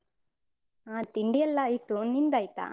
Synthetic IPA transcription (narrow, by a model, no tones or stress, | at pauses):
aːt̪iɳɖijɐlːaːjit̪unind̪aːjt̪a̰